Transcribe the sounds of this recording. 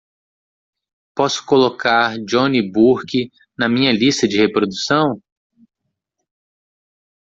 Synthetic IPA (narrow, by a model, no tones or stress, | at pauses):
pɔsʊ̥kolokaɾd͡ʒõnibuɾki | nɐmĩɲɐlist̪ɐd͡ʒɪhepɾod̪usɐ̃w̃